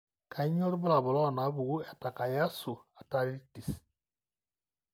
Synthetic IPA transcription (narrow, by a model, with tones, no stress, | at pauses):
kʰa˨i˦ɲɔ˦ɾu˦bʊ˦la˨βʊ˨lɔ˦˨na˨˦βu˨u˦ɛ˨ta˨ka˨ja˦su˨a˨ta˦ɾi˦ti˨s